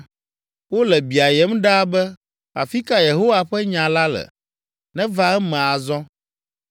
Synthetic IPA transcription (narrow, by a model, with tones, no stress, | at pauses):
wo˦lɛ˨bi˨a˨jɛ˦mɖa˦bɛ˦ | a˨fi˦ka˦je˨ɦo˦wa˨ɸɛ˦ɲã˨la˦lɛ̰˨ | nɛ̃˦va˦ɛ˦mɛ̃˨a˨zɔ̃˦